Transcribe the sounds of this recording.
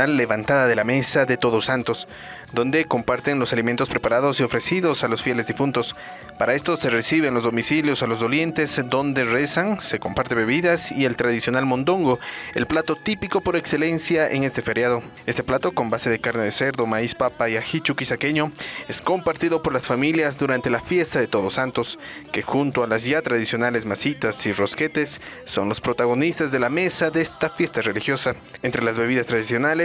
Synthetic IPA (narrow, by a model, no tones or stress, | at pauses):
alːe̞βant̪aðaðe̞lame̞saðe̞t̪o̞ðosant̪o̞s | d̪o̞nd̪e̞ko̞mpaɾt̪enlo̞saliment̪o̞spɾe̞paɾaðo̞sio̞fɾe̞siðo̞salosfje̞le̞zðifunt̪o̞s | paɾae̞st̪ose̞resiβenlozðo̞misiljo̞salo̞zðo̞lje̞nt̪e̞zd̪o̞nd̪e̞re̞saŋse̞ko̞mpaɾt̪e̞βe̞βiðasie̞lt̪ɾaðisjo̞nalmõ̞nd̪o̞ŋɡo̞e̞̰lplat̪o̞t̪ipiko̞po̞ɾe̞kse̞le̞nsjaʔeŋe̞st̪efe̞ɾjaðo̞ | e̞st̪e̞plat̪o̞ko̞mbase̞ðekaɾne̞ðe̞se̞ɾðo̞maispapaiaxit͡ʃukisake̞ɲo̞e̞sko̞mpaɾt̪iðopo̞ɾlasfamiljazðuɾant̪e̞lafje̞st̪aðe̞t̪o̞ðo̞sant̪o̞ske̞xunt̪oalaz̬ʝat̪ɾaðisjo̞nale̞zmasit̪asiro̞ske̞t̪e̞sː | o̞̰nlo̞spɾo̞t̪aɣo̞nist̪azðe̞lame̞saðeest̪afje̞st̪are̞lixjo̞sa | ent̪ɾe̞lazβe̞β̞iðast̪ɾaðisjo̞nale